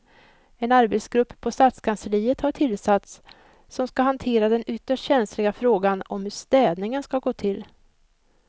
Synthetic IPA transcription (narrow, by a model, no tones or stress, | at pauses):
ɛnaɾbɛt̪sɡɾɵpːpʰːɔst̪at̪skʰansəɾiːət̪haʈʰɪlsat̪s | sɔmskaɦant̪ʰeːɾad̪ɛnʏt̪ːəʂʈɕɛnslɪɡafɾoːɡanɔ̰mhɵʂt̪ɛːd̪nɪŋənskaɡoːt̪ʰɪl